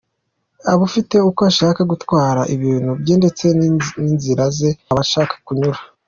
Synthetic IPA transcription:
aβufite̞ukoaʃaːkaɡutwaːɾaʔiβiːn̥hubjiːnde̞t͡se̞ninziɾaze̞βaʃaːkḁkuɲuɾa

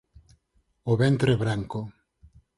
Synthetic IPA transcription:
oβent̪ɾeβɾaŋko

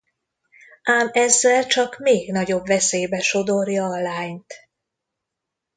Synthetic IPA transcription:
ʔaːmɛzːɛlt͡ʃɒkmeːɡn̪ɒɟo̞bvɛseːjbɛʃo̞d̪o̞rjɒːlaːɲt̪

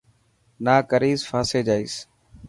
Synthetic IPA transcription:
naːkəɾiːzfaːseːd͡ʒaːiːs

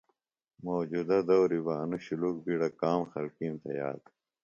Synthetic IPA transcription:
moːd͡ʑuːd̪ɐd̪ɐwɾibɐːnuɕuluːk̚biɽɐkaːmxɐlkiːmt̪ɐ̰ja̰ːd̪

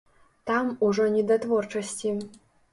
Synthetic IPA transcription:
t̪amuʐɔnʲɛd̪at̪vɔrt͡ʂɐsʲt͡sʲi

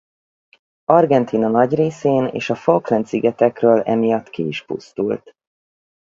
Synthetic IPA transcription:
ɒrɡɛnt̪ʰiːnɒnɒɟreːseːnḛːʃɒfolklɛnt̪siɡɛt̪ɛkrøːlɛ̰mijɒt̪ːkiiʃpṵst̪ṵlt̪

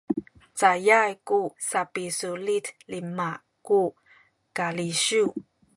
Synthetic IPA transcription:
t͡sajajkusapisulitlima | ku | kaliɕu

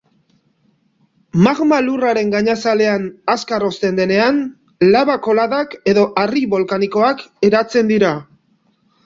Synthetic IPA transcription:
maɣmaluraɾe̞ŋɡaɲasale̞anaskaro̞st̪e̞nd̪e̞ne̞an | laβako̞laðake̞ðo̞ʔariβo̞lkaniko̞ake̞ɾat͡se̞nd̪iɾa

